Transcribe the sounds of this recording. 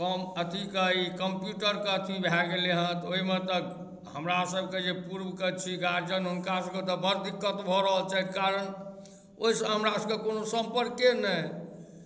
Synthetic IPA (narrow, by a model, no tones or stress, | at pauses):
kəmət̪ʰikəikəmpjuʈəɾkeət̪ʰibʱaɡeleɦə̃t̪oɦimet̪ək | ɦəmɾasəbʱked͡ʒepuɾbkət͡ʃʰiɡaɾd͡ʒənɦunkasəbket̪əbʱəɾd̪ikːət̪bʱɔɾəɦəlt͡ʃaɦit̪kaɾən | oisəɦəmɾasəbkekonosə̃mpəɾkenə